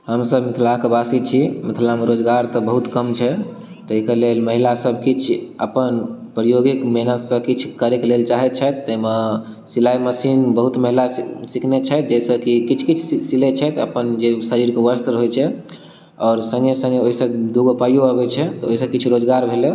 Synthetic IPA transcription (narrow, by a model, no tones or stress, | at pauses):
ɦəmsəbmit̪ʰlakebasit͡ʃʰimit̪ʰlameɾod͡ʒɡaɾt̪ɔbəɦut̪kəmt͡ʃʰɛ | t̪əɦikelelməɦilasəbʱkit͡ʃʰə̰pənpɾəjoɡikmɛɦnət̪sə̃kit͡ʃʰkəɾekelelt͡ʃaɦɛt͡ʃʰɛt̪ːəme | silajməsinbəɦut̪məɦilasikʰnet͡ʃʰɛt̪d͡ʒɛsə̃kikit͡ʃʰkit͡ʃʰsilet͡ʃʰɛt̪ə̰pənd͡ʒesəɾiɾkeʋəɾst̪ɾɦojt͡ʃʰɛ | ɔːɾsə̃ŋɡesə̃ŋɡeoɦisə̃d̪uɡopajoəbɛt͡ʃʰɛt̪ɔoɦisə̃kit͡ʃʰɾod͡ʒɡaɾbʱele